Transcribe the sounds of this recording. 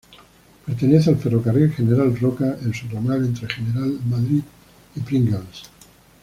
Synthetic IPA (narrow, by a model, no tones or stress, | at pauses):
peɾt̪e̞ne̞θealferokarilxe̞neɾalrokaʔelsuomale̞nt̪ɾexeneɾalmaðɾið | ipɾiŋɡals